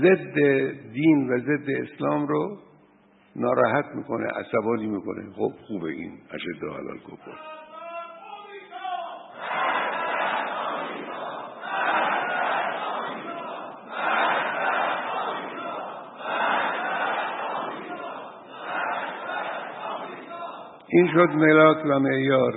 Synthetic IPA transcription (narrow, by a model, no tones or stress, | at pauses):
zed̪ːed̪iːnvæze̞d̪ːe̞eslɒːmɾo | nɒːɾɒːhæt̪ʰmiːkʰonḛʔæ̰sæbɒːniːmiːko̰nḛxob̥xuːbḛʔḭːnæ̰ʃed̪ːohæ̰lɒ̰ːlkʰokʰo̰l | ʔiːnʃod̪melɒːkʰvæmeʔjɒːɾ